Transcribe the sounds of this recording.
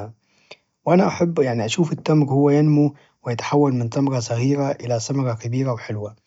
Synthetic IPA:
wʔanaʔaħabːjaʕniʔaʃuːfɪt̪ːamɾhʊwːajanmu | wɪjɪt̪ḁħawːalmɪnt̪ˤɑmɾɑsˤɑɣiːɾaʔɪlasamɑɾɑkabiːɾawħɪlwa

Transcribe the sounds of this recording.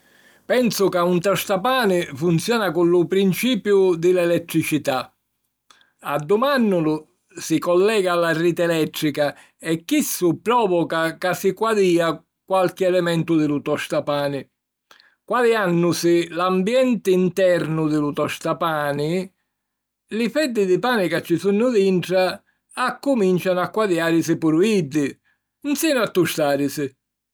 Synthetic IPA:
pɛnsʊkaunt̪ɔst̪apaːnɪfunt̪sjɔːnakʊlːʊpɾint͡ʃiːpjʊd̪ɪlɛlɛt̪ːɾit͡ʃit̪a | ad̪ːumanːʊlʊ | sikɔlːɛːɡaːlːariːt̪ɛlɛt̪ːɾika | ɛkːisːʊpɾɔːvɔkakasikwad̪iːa | kwalk̟ɪɛlɛmɛnt̪ʊd̪ɪlut̪ɔst̪apaːnɪ | kwaðɪanːʊsɪlambjɛnt̪ɪint̪ɛɾnʊd̪ɪlut̪ɔʃt̪apaːnɪ | lɪfɛd̪ːɪd̪ɪpaːnikat͡ʃːisunːʊðiɳʈɾaː | kːumint͡ʃanʊakːwaðjaːɾɪsɪpuɾuid̪ːɪ | nsɛːnʊat̪ːuʃt̪aːɾɪsɪ

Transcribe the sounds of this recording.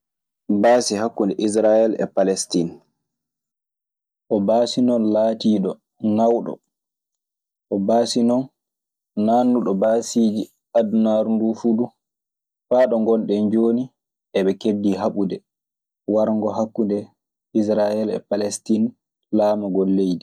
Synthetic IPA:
baːsihakːundɛʔis̬ɾajɛlɛ̰palɛstin | ʔɔbaːsinɔnlaːtiːɗɔ | nawɗɔ̰ | ʔɔbaːsinɔnː | aːnːuɗɔbasiːd͡ʒi | adnaɾndufuɗu | faːɗɔŋɡɔnɗɛɲd͡ʒoːni | ɛɓɛkedːiɦaɓudɛ | waɾŋɡɔɦakːundɛ | ʔis̬ɾajɛlɛ̰palɛstin | laːmaɡolːejdi

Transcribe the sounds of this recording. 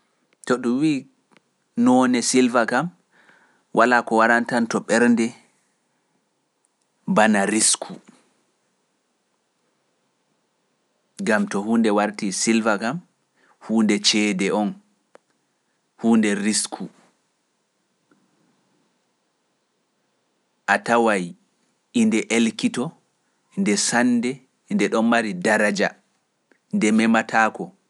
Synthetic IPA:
tɔɗuwiː | nɔːnɛsilvakam | wʔalakɔwaɾantantɔɓɛɾndɛ | banaɾiskʰu | ɡamtɔhuːndɛwaɾtisilvakam | huːndɛt͡ʃɛːdɛʔɔn | huːndɛɾiskʰu | ʔatawaj | indɛʔelkitɔ | ndɛsandɛ | indɛɗɔnmaɾidaɾad͡ʒa | ndɛmɛmatʰaːkɔ

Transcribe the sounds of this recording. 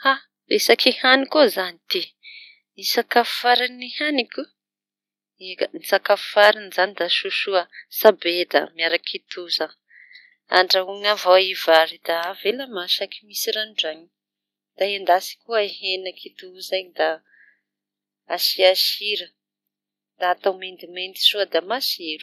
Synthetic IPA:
ha | ɾesakʰihanikozanit̪i | nisakafu̥faɾanihanikʲu | enisakafu̥faɾinizanid̪aʃuʃuəsabed̪a̰miaɾakʰit̪uzə | a̰ɳɖ͡ʐauŋavaivaɾid̪̥aveləmaʃakimisiɾanɖ͡ʐaɲi | d̪̥aend̪asi̥kuəehenəkʰit̪uzaɲid̪a | aʃiaʃiɾə | d̪̥aːt̪amend̪iment̪i̥ʃuəd̪amasieɾu

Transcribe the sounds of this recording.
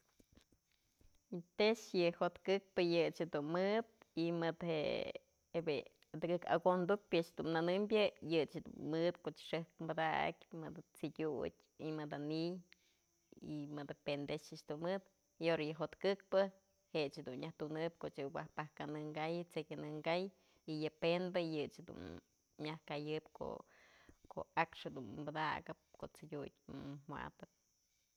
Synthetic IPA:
t̪eʃjɨhot̪kɨk̚pɨjɨt͡ʃed̪unmɨd̪̚ | imɨd̪heʔ | ebe | d̪ɨɡɨka̰ɡond̪upʲɨt͡ʃhd̪unnanɨmbʲjɨjɨt͡ʃhd̪ṵnmɨd̪̚koʔt͡ʃʂɨhkmbad̪a̰kʲmɨd̪at͡sid̪ʲṵtʲ | imɨd̪anij | imɨd̪apend̪esɨt͡ʃd̪unmɨd̪ | ioɾajɨɦot̪kɨk̚pɨ | het͡ʃhed̪unɲjaht̪unɨp̚koʔt͡ʃɨwʷahpahkanɨŋɡajɨt͡sekʲanɨŋɡaj | ijɨpenbɨjɨt͡ʃhed̪ṵn | mʲahkajɨpkʰo̰ | kʰo̰akʂhed̪unbad̪a̰ɡɨp̚koʔt͡sidʲut̚ʲmwa̰t̪ɨt̪̚

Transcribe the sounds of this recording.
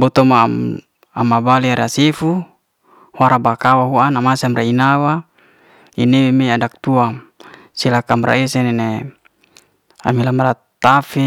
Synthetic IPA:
bɔt̪ɔmaa̰ | a̰mabaliaɾasefu | hwaɾabakawaɦuanamasamɾainawa | inewemeadak̚t̪uam | silakamɾʔa̰esenene | a̰milamra | t̪afe

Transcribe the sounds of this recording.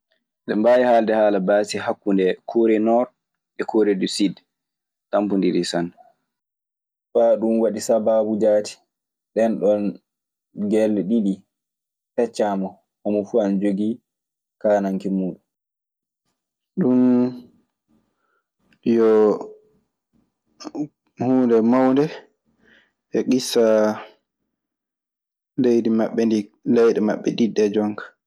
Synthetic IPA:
ɗɛmbajihaːldɛhaːlabaːsihakːundɛkʰoːɾɛnɔɾ | ɓɛkʰoːɾeɗusid | tampundiɗisan | faɗumwaɗisababud͡ʒaːti̥ | ɗɛnɗɔn | ɡɛlːɛɗiɗi | tɛt͡ʃːamɔ | hamɔfuand͡ʒoɡi | kaːnaŋkimuːɗu | ɗun | jɔ | huːndɛmawndɛ | ʔɛɡisːa | lejdimaɓːɛndilɛjɗɛma̰ɓːɛ̰ɗidːɛd͡ʒɔŋkḁ

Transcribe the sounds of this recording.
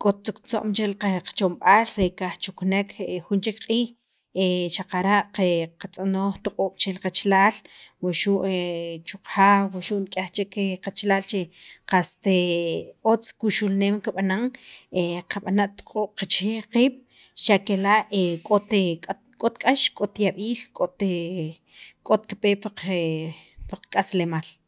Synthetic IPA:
kʼot̪̚t͡sukt͡so̰ʔmt͡ʃelqaqḁt͡ʃomɓaːlɾekaχt͡ʃuknekʰxunt͡ʃikqʼiːx | eʃaqaɾaʔqeqat͡sʼanoːχt̪uqʼoːɓ̥t͡ʃelqat͡ʃlaːlwoʃuʔet͡ʃuqaːwwaʃuʔnkʼaxt͡ʃekqat͡ʃlaːlt͡ʃeqast̪e | ot͡skuʃulneːmkaɓanaŋeqʰaɓanaʔt̪o̥qʼoːɓ̥qat͡ʃeːqiːɓ̥ | ʃaʔkelaʔekʼot̪e | kʼot̪kʼaʃkʼot̪jaɓiːlkʼot̪e | kʼot̪̚kapeːpaepaqakʼaslemaːl

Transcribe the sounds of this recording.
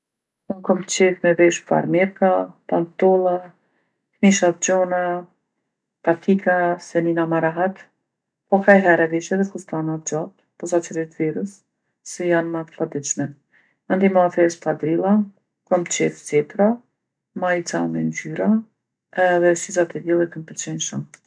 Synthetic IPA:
ɔŋkɔmt̪t͡ʃɛfmɛvɛʃfa̰ɾmɛɾkapant̪ɔlˠa | kmiʃat̪d͡ʒɔna | t̪at̪ʰikʰasɛninamaɾaɦat̪ | pɔkajɦɛɾɛviʃɛðɛkust̪anat̪̚d͡ʒat̪ | pɔzat͡ʃəɾit̪viɾusː | ɛjanmat̪ə̥fad̪iʃmɛ | and̪imaafɛspfad̪ɾilˠa | kɔmt͡ʃɛft͡sɛt̪ɾa | mait͡samɛnd͡ʒyɾa | ɛðɛʃizat̪ɛd̪ɛlˠɛk̪əmpəɾt͡ʃɛnʃəm

